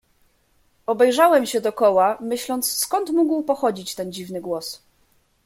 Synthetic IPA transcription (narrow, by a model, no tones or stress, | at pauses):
ɔbɛjʐawɛmɕɛd̪ɔkɔwamɘɕlɔnt̪sskɔnt̪muɡwpɔxɔd͡ʑit͡ɕt̪ɛnd͡ʑivnɘɡwɔs